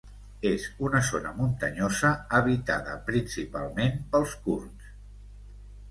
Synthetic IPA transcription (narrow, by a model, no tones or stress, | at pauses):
ezunəzonə̰munt̪əɲozəːβit̪a̰ðə̰pɾinsipa̰lˠmenpəlˠskurns